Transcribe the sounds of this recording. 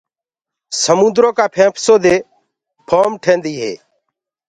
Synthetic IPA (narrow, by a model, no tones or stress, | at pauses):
səmũːnd̪ɾõːkaːpʰẽːpʰsoːd̪eː | pʰoːmʈʰẽːnd̪iːɦḛː